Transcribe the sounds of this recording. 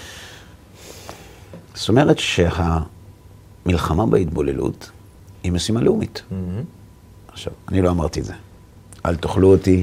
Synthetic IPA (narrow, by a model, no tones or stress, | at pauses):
ssto̞me̞ʁetʃe̞ha | milχamabeitbolelṵt | himesimaleumit | aχʃa̰vanilo̞amaʁt̪iedze | ʔa̰lt̪oχluoti